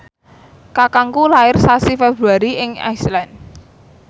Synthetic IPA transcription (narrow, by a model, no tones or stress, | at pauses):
kakaŋkulaɪrsasifɛbɾuaɾiɪŋa̰jslan